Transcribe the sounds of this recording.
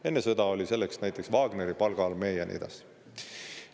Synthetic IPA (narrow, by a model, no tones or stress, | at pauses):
e̞nːesɤd̪ɑo̞lʲise̞lːeksnæjt̪ːˑe̞ksvɑːɡ̥ne̞ɾipɑlɡ̥ɑlme̞ːjɑnʔḛd̪̥ɑ̰s